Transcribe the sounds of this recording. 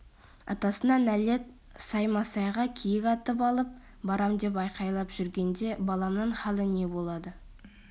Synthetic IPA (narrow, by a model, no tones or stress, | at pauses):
ɑ̰t̪ɑsənd̪ɑnæle̞t̪ | sɑjmɑsɑjʁɑkʲʰijɪkʲɑt̪əpɑlˠəp̚ | bɑɾɑmd̪e̞p̬ɑjqɑjlˠɑpʒ̥ʏɾɡʲe̞nd̪e̞bɑlˠɑmnəɴχɑlˠəne̞bo̞lˠɑd̪ə